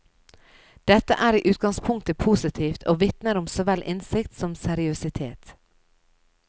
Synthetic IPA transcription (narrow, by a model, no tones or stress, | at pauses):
d̪̥ɛt̪ə̰ʔæːɾiːʔʉːt̪̚ɡɑŋspʰʊŋk̚t̪əpʰuːsɪt̪ʰiːft̪ʰoːʋɪt̪nəɾʊmsoːʋɛlʔɪnsɪkt̪sɔmsɛɾɪʉsɪt̪ʰḛːt̪